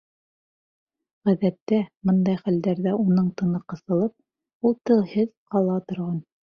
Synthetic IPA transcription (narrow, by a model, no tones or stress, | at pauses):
ʁæðæt̪ːæmɤnd̪ɑjχæld̪æɾðæʔunɤɴt̪ɤ̆nɤqɤ̆sɤ̆lˠɤp̚ | ulˠt̪ɤlˠhɘðqɑlˠɑt̪ŏɾʁɑn